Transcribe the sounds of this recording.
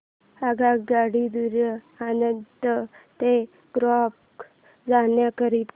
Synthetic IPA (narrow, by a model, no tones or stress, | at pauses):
aɡaɡaɽid̪uɾə | anənt̪ət̪e | ɡ̥ɾɔp | d͡zanjakəɾiːt̪